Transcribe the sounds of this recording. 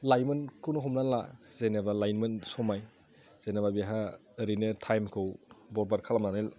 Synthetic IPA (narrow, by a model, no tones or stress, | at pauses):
lajmɯnkʰɯwnɯɦɔmnalazenabalajnmɯnsɔmaj | z̥enababiaɦa | ɾinɯtʰajmkʰɯwbɔɾbaɾkʰalamnanil